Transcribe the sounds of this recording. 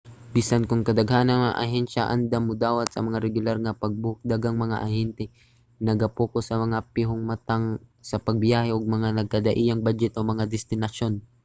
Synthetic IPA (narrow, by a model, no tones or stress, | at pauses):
biːsɐnkʊŋkɐd̪ɐɡhaːnɐnɐŋʔɐ̰ɦɛnʃaʔɐ̰nd̪amʊd̪aːwɐt̪̚sɐ̰mɐŋaɾɛɡʊlaɾŋɐpɐɡ̚bʊk̚d̪aɡaŋmɐŋa̰ʔɐhɛnt̪ɛ | nɐɡɐpoːkosɐmɐŋapɪɦoŋmɐt̪aŋsɐpɐɡ̚bjaːhɛʔoɡ̚mɐŋanɐɡ̚kɐd̪ɐʔiːjɐŋbad͡ʒɛt̪omɐŋad̪ɛst̪ɪnɐʃo̞n